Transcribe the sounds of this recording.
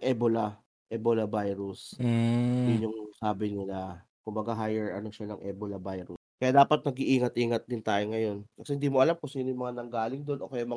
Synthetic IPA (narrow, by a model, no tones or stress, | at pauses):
ʔɛbola | ʔɛbolɐbajɾʊs | jʊnʊŋsaːbɪnɪla | kʊmbɐɡaɦajɛɹʔɐ̰no̞ʃanɐŋʔɛːbolɐbajɾʊskɐjaːd̪aːpɐt̪̚nɐɡɪʔiːŋɐt̪ʔiːŋɐt̪̚d̪ɪnt̪aːjoŋɐjo̞nkɐsɛhɪnd̪iːmoʔɐlamkʊsiːnojʊŋmɐŋanɐŋɡaːlɪŋd̪o̞nʔo̞kɐjamɐ